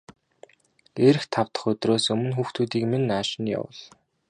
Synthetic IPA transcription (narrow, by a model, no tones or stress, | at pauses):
eɾɘ̆xt̪ʰaw̥t̪ə̥̆χɵt̪roːsɵmɵ̆nxuːxt̪ʰuːt̪iːkmenːaːʃɪ̆nja̰wə̰̆ɮ